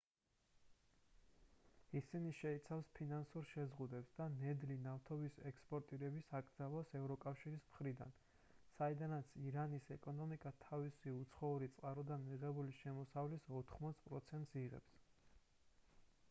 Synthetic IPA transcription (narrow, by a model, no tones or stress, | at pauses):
isiniʃɛit̪sʰafspʰinansuɾʃɛzʁud̪ɛpsd̪anɛd̪linaft̪ʰɔbisɛkspʼɔɾt̪ʼiɾɛbisakʼɾd̪zalˠasɛvɾɔkʼafʃiɾismχɾid̪a̰n | said̪anat̪sʰiɾanisɛkʼɔnɔmikʼat̪ʰavisiut̪sʰχɔuɾit̪sʼqʼaɾɔd̪anmiʁɛbuliʃɛmɔsavlisɔt̪ʰχmɔt̪sʰpʼɾɔt̪sʰɛnt̪ʼsiʁɛ̰ps